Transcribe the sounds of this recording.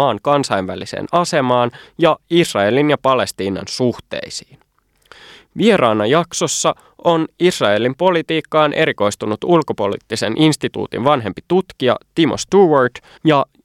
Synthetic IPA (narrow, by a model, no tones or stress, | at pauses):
ɑːŋkɑnsɑjnʋælisḛːnɑse̞mɑːnjɑisrɑe̞linjɑpɑle̞st̪iːnɑ̰nsuht̪ḛisi̥ːn | ʋie̞ɾɑːnːɑjɑkso̞sːɑ | ʔo̞nisrɑe̞limpo̞lit̪iːkːɑːnʔe̞ɾiko̞jst̪unut̪ulko̞po̞lḭt̪ːise̞nʔinst̪it̪ṵːt̪ḭnʋɑnɦe̞mpit̪ut̪kiɑ̰t̪imost̪uːʋɑrt | jɑ